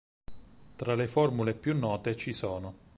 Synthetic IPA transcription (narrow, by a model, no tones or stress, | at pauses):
t̪ɾalefɔrmulepjunːɔːt̪et͡ʃisɔːno